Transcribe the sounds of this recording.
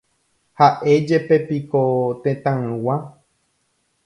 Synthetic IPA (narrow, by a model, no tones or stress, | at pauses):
haʔe̞d͡ʒe̞pe̞pikot̪ẽt̪ãɨ̃wã